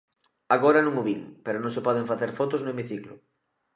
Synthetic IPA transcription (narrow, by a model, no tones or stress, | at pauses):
aɣ̞oɾanõŋuβiŋpeɾonõŋsepɔð̞eɱfaθeɾfɔt̪oznoemiθiklʊ̰